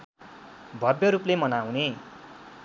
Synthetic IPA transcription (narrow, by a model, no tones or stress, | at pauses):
bʱʌbjʌɾuplemʌnaw̃ne